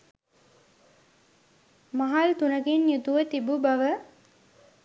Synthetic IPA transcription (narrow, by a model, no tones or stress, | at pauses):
mɐɦalt̪unəkenjut̪uʋət̪ibubɐʋə